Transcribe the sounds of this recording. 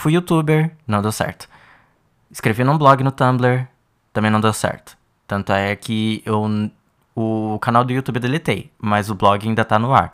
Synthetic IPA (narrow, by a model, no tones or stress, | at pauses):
fujut̪ubeɾnɐ̃w̃d̪ewsɛ̰ɾt̪ʊ̥ | ɪskɾevinũblɔɡɪnʊt̪ɐ̃bleɾ | t̪ɐ̃mẽnɐ̃w̃d̪ewsɛ̰ɾt̪ʊ̥ | t̪ɐ̃nt̪ʊɛkʰɪew | ʊkanawd̪ʊut̪ubeɾd̪elet̪ejmɐzʊblɔɡɪaĩnd̪ɐt̪anʊa̰ɾ